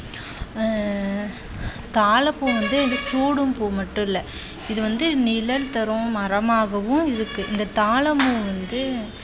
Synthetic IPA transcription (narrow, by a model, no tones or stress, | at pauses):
t̪aːlɐpːuːʋɐnd̪ɯɪnd̪ɯsʈuːɽɯmpuːmɐʈːʊ̃ɪlːɛ | ɪðɯʋɐnd̪ɯnɪlɐlt̪ɐɾʊ̃mɐɾɐmaːɣɐʋɯ̃ɪɾɯkːɯʔɪnd̪ɐt̪aːɭɐmuʋɐnd̪ɯ